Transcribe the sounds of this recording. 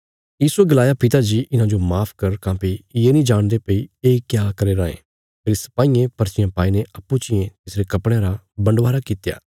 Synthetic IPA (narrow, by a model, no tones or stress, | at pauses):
jiːsueɡɐlaːjapɪt̪ad͡ʒiːʔɪnãd͡ʒomaːpʰkɐɾkãːpijenĩd͡ʒaːɽ̃d̪epɐieːkjaːkɐɾeɾãːḛ̃ | pʰeːɾsɐ̥paːijẽpɐɾt͡ʃɪjãpaːineɐpːut͡ʃɪjẽt̪ɪsɾekɐpɽ̃eãɾabɐ̃ɳɖʋaːɾakɪt̪ja̰ː